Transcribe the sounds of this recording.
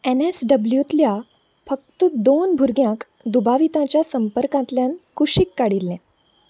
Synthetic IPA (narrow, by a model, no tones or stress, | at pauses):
enesɖəbljut̪lja | fək̚t̪əd̪onbʱuɾɡjãk | d̪ubaʋit̪ãt͡ɕjasəmpəɾkãt̪ljãnkuɕikːaɽilːɛ̃